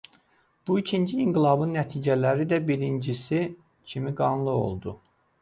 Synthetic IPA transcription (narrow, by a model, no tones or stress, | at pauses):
b̥uicʰind͡ʒiːŋɡilˠɑbɯnːæt̪ʰiːd͡ʒælæɾid̪æbiɾind͡ʒisi | cʰimiɡɑnlˠɯo̞̰lˠd̪u